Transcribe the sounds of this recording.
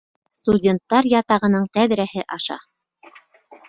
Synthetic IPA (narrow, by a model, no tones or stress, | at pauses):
st̪udʲent̪ːɑɾjɑt̪ɑʁɤ̆nɤɴt̪æðɾæhɘʔɑʃɑ̰